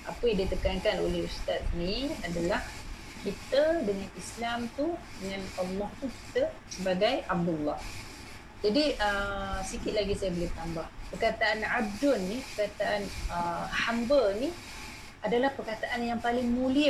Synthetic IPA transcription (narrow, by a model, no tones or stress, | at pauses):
ʔapəjadit̪əkankano̰lehəst̪at̪̚niadalah | kit̪ədəŋanislamt̪udəŋanəlːɔht̪uki̥t̪ə | səbaɡajab̚dulːɔh | d͡ʒadiəsikɪt̪̚laɡisajabəlɪt̪ambahpərkat̪aʔanʕab̚dʊnːipərkat̪aʔanəhambəni | adalahpərkat̪aʔanjaŋpalɪŋmuliə